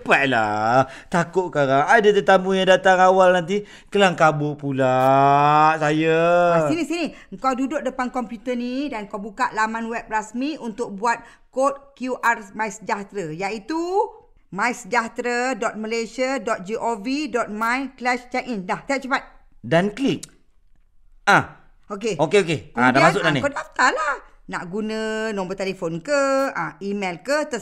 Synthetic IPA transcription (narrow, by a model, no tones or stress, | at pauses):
əpat̪̚la̰t̪akʊʔ̚kaɾaŋadət̪ət̪ambujaŋdat̪aŋawalnant̪̬i | kəlaŋkabʊʔpula | sajaasinisiniəŋkawdudʊʔ̚dəpankɔmpjut̪ənidanŋkawbukaʔlamanwɛp̚rasmiunt̪ʊk̚buat̪̚ | kot̪̚kjuʔarmajsəd͡ʒaht̪ɾəjait̪u | mãjsəd͡ʒaht̪ɾədɔt̪̚məlesadɔt̪̚d͡ʒiʔovidɔt̪̚majklɛʃt͡ʃɛk̚indaht̪ajaʔ̚t͡ʃəpat̪̚danklik̚ | ã | okeokeokekãdamas̬ʊʔdanikod̚aft̪alahna̰ʔɡunə̃nɔ̃mbət̪elefonkəãimɛlkət̪ə